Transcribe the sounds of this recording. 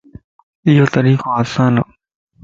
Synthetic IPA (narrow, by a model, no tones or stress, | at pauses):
ɪjoːt̪əɾiːkoːaːsaːno̰